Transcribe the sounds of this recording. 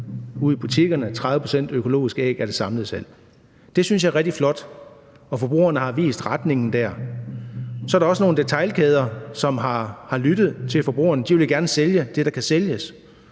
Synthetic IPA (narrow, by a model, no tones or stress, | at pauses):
uð̰ˠib̥ut͡sʰiɡ̥ɐnət͡sʰʁɑðˠəpʰo̥sen̰d̥økʰo̝lo̝̰ːisɡ̥ɛ̰ːɡ̥æɐɾ̥e̝sɑ̈mlð̩ˠsel̰ | d̥e̝syns̬jɑ̈æɐʁɛɡ̥̚d̥iflɒ̽d̥ | ɒ̽fɒ̽b̥ʁṵːɐnəhɑ̈ʋḭːsd̥ʁɑd̥ne̝ŋn̩d̥æɐ̰ | sɒ̽æɐɾɑ̈ɒ̽səno̝ːn̩d̥e̝t͡sʰɑ̈ɪlkʰeːð̞ˠɐsɒ̽mɦɑ̈hɑ̈lyd̥ð̞̩ˠt͡sʰe̝lfɒ̽b̥ʁṵːɐnəd̥iʋe̝lɡ̥æɐnəseljəd̥e̝ɾ̥ɑ̈kʰæseljəs